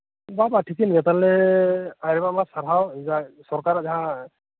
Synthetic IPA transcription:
babatʰikinɡɛt̪allɛajɾɛbamasaɾɦawzasɔɹkaɹazaɦã

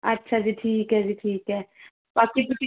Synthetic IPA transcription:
ɐtːʃʰad͡ʒiʈʰiːkɦɛd͡ʒiʈʰiːkɦɛː | baːkipɪt͡ʃi

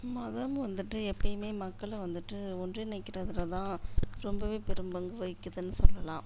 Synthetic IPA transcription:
mɐðɐmʋɐnd̪ɯʈːɯɛpːɐjɯmeːmɐkːɐɭʋɐnd̪ɯʈːɯɔndrɯnɛkːɪɾɐðɯlɐt̪ãːɾɔmbɐʋeːpɛɾɯmbɐŋɡɯʋɐɪkːɐðɯnːɯsɔlːɐlãː

